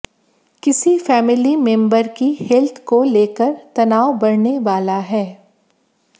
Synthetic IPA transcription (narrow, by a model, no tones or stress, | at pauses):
kɪsifɛːmɪlimɛ̃mbəɾkihɛlt̪ʰkoleːkəɾt̪ɐnaːobɐɾneʋaːlaɦɛː